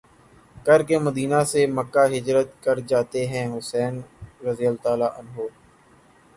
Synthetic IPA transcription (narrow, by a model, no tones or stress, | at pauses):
kɐɾkeməd̪iːnaseməkːaɦɪd͡ʒɾət̪kɐɾd͡ʒaːt̪eɦɛ̃ɦʊsɛːnɾəzɪjəlt̪aːlaʔɐnɦoːɾ